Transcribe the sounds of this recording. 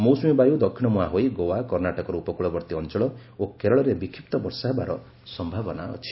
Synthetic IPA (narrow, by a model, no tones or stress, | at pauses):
mowsmibajud̪ɔkʰːiɽ̃ɔmuaɦojɡowakɔɾnaʈɔkɔɾɔupɔkuɭɔbɔɾt̪iɔnt͡ʃɔɭɔokeɾɔɭɔɾebikʰːipt̪ɔbɔɾsaɦebaɾɔ | sɔmbʱabɔna̰ɔ̰t͡ʃʰi̥